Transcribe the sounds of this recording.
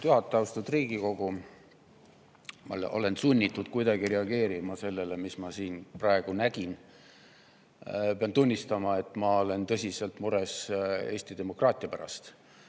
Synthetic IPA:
t̪yɦɑt̪ːˑɑwst̪ud̪riːɡ̥iko̞ɡ̥u | mɑ̰lʔo̞̰le̞nsunʲːit̪ːˑud̪̥̚kujd̪ɑɡiɾe̞ɑɡe̞ːɾimɑse̞lːe̞le̞mismɑsiːnprɑe̞ɡ̥unæɡ̥in | peɑnt̪unʲːist̪ɑmɑe̞t̪ːˑmɑo̞le̞nt̪ɤ̞sʲise̞lt̪ˑmuɾe̞se̞ːsʲt̪id̪e̞mo̞krɑːt̪ʲˑiɑpæɾɑ̰st̪

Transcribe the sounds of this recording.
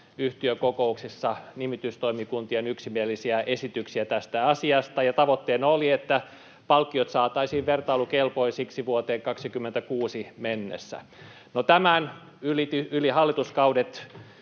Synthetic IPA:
yht̪iøkokouksisːɑnimit̪yst̪oimikunt̪ienyksimielisiæʔesit̪yksiæt̪æst̪æɑsiɑst̪ɑjɑt̪ɑʋot̪ːeːnoliet̪ːæ | pɑlkːiot̪sɑːt̪ɑisiːʋʋert̪ɑilukelpoisiksiʋuot̪eːŋkɑksikymːent̪ækuːsimenːḛsːæ̰ | not̪æmæn | ylit̪yylihɑlːit̪uskɑudet̪

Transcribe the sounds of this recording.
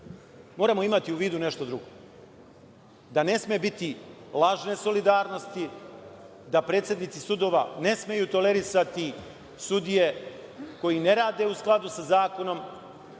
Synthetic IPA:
mo̞ːɾamo̞imat̪iuʋiːd̪une̞ʃt̪od̪ɾuɡo | d̪ane̞smiebit̪ilˠaʒne̞so̞lid̪aːɾno̞st̪i | d̪apɾe̞ːt̪sje̞d̪nit̪sisud̪o̞ːʋane̞sme̞juːt̪o̞le̞ɾisat̪i | sud̪ije̞ko̞jine̞ɾaːd̪e̞usklˠad̪usazaːko̞no̞m

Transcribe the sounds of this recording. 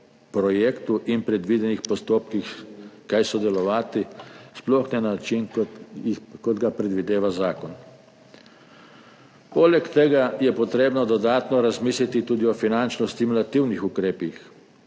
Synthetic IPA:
pɾɔjeːkt̪uʔinpɾɛd̪ʋid̪ɛnixpɔst̪oːpkixkajsɔd̪ɛlɔʋaːt̪isplɔxnɛnat͡ʃinikɔd̪ɡapɾɛd̪ʋid̪eːʋazaːkɔn | polɛkt̪ɛɡajɛpɔt̪ɾeːbnɔd̪ɔd̪aːt̪nɔɾazmiːslit̪it̪uːd̪iɔfinant͡ʃnɔst̪imulat̪iwnixukɾeːpix

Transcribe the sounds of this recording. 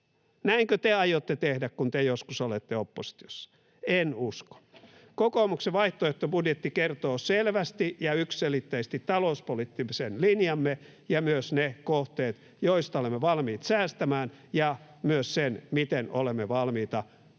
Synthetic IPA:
næiŋkøt̪eɑjot̪ːet̪ehdækkunt̪ejoskusolet̪ːeopːosi̥t̪io̥sːɑ̥ | enusko̥n | kokoːˑmukseʋɑiht̪oeht̪ːobudjet̪ːikert̪oːselʋæst̪ijɑyksselit̪ːeist̪it̪t̪ɑlouspolit̪ːimsenlinjɑmːe | jɑmyøsnekoht̪eːt̪ | joist̪ɑolemːeʋɑlmiːt̪sæːst̪æmæːn | jɑ | myøssenmit̪eno̰lemːeʋɑlmiːt̪ɑ

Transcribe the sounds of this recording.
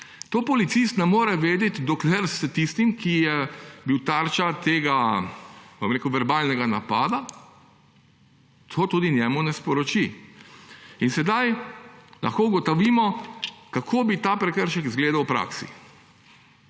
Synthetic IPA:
t̪oːpɔlit̪sist̪nɛmoːɾɛʋeːd̪ɛt̪d̪ɔklɛɾst̪ist̪imkʰijɛbiwt̪aɾt͡ʃat̪eːɡa | bomɾekuwʋɛɾbaːlnɛɡana̰paːd̪a | t̪ʰoːt̪uːd̪injɛːmunɛspɔɾɔt͡ʃi | insɛd̪ajlʔɐ̰xkoːɡɔt̪ɔʋiːmɔkakʰoːbit̪aːpɾɛkəɾʃɛkzɡleːd̪awpɾa̰ːksḭ

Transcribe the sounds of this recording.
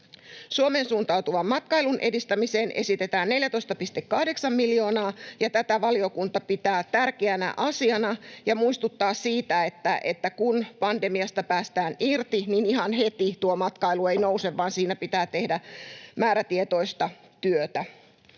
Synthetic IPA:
suomeːnsuːnt̪ɑut̪uʋɑmːɑt̪̚kɑijlunʔe̞̰dist̪æmise̞ːnʔe̞̰sit̪e̞t̪æːnːe̞ljæt̪ojst̪ɑpist̪ekːɑhde̞ksɑmmiljo̞ːnɑːjɑt̪æt̪æʋɑlio̞kunt̪ɑpit̪æːt̪ærkeænæ̰ʔɑsiɑnɑjɑmuist̪ut̪ːɑːssiːt̪æet̪ːæʔḛt̪ːækunpɑnde̞miɑst̪ɑpæːst̪æːnirt̪ininiɦɑnɦet̪it̪uomɑt̪kɑiluejno̞useʋʋɑːnsiːnæpit̪æːt̪e̞hdæmæːɾæt̪iet̪o̞jst̪ɑ | t̪yøt̪æ

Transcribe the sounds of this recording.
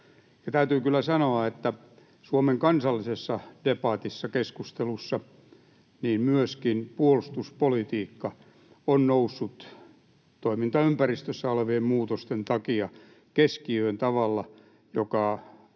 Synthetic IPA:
jɑt̪æyt̪yːkylːæsɑnoɑet̪ːæ | suomeŋkɑnsɑlːisesːɑd̥epɑːt̪isːɑkeskust̪elusːɑ | niːmmyøskinpuolust̪uspolit̪iːkːɑ | onnousːut̪ | t̪oimint̪ɑympærist̪øsːæoleʋiemmuːt̪ost̪ent̪ɑkiɑ | keskiøent̪ɑʋɑlːɑ | jokɑ

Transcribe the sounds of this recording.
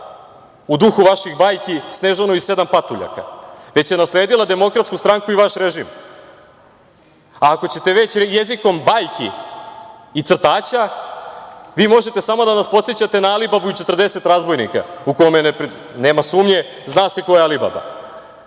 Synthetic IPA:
ud̪uxuʋaʃiɣbaːjkisneʒanoise̞d̪ampat̪uʎa̰ka̰ʋe̞t͡ɕje̞nasle̞ːd̪ilˠad̪e̞mo̞kɾat̪skust̪ɾaŋkuiʋaʃɾe̞ʒim | aːko̞t͡ɕe̞t̪e̞ʋe̞t͡ɕje̞ziko̞mbajkʰi | it̪sr̩t̪aːt͡ɕa | ʋiːmo̞ʒe̞t̪e̞samo̞d̪anaspo̞t̪set͡ɕat̪e̞naalibabuut͡ʃe̞t̪rd̪e̞se̞t̪ɾazbo̞jnḭka̰uko̞menep | ne̞ːmasuːmɲe̞ | znaːseko̞jeaaliba̰ba̰

